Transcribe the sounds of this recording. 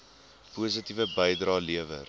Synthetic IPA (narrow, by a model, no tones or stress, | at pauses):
puːs̬ətivəbəjdrɑːliəvə̰r